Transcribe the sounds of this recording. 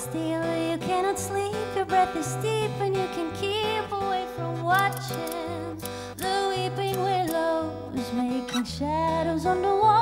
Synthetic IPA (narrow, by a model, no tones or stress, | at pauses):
stɪlˠjɨkʰæɾ̃ɑtslipjəbɹɛd̪̚ðɨstipɨ̃njɨkʰɨ̃nkʰipəweɪfɹʌ̃mwɑt͡ʃɪ̃ | n | ðəwipɪ̃ŋwɪloʊ | zmeɪkɪ̃ŋʃæɾoʊzə̃nðəwɔ